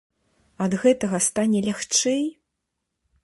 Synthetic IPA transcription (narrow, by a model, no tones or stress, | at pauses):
ɐd̪ɣɛt̪ɐɣɐst̪anʲɛlʲaxt͡ʂɛj